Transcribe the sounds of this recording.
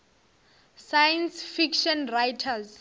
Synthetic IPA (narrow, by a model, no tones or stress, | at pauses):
sajɛnsfikʃɔnrajtʰaz